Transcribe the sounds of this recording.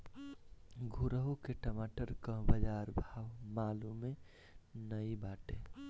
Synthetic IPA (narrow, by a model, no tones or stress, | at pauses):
ɡʱuɾəɦukeʈəmaʈəɾkə̃bəd͡ʒaːɾbʱaːʋmaːlume | nəibaːʈe